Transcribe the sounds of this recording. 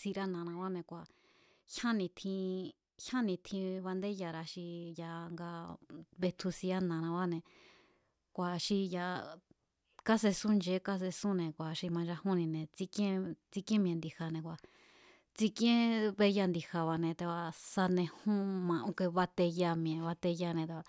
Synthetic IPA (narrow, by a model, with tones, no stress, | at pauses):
si˧ɾa˦nã˨nã˧βa˦nẽ˧kʷa˨ | hã˦nĩ˧t̪ʰĩ˧ | hã˦nĩ˧t̪ʰĩ˧βa˧nd̪e˦ja˧˨ɾa˧ʃi˧ja˧ŋɡa˧βe˧t̪ʰu˧si˧a˦nã˨˧nã˧βa˦nẽ˧ | kʷa˨ʃi˧ja˧ | ka˦s̬e˧sũ˦nd͡ʒe˨˦ka˦s̬e˧sũ˦nẽ˨kʷa˨ʃi˧mã˧d͡ʒa˧hũ˦nĩ˧nẽ˨t͡si˧kẽ˦t͡si˦˧kẽ˦m̃˧ẽ˧nd̪i˧ha˧nẽ˧˨kʷa˨ | t͡si˧kẽ˦βe˧ja˧nd̪i˧ha˧βa˧˨nẽ˧t̪e˧a˧sa˧nẽ˧hũ˦mã˧ʔũ˧˦ke˧βa˧t̪e˧ja˧mĩ˧ẽ˨βa˧t̪e˧ja˧nẽ˧t̪e˧a˧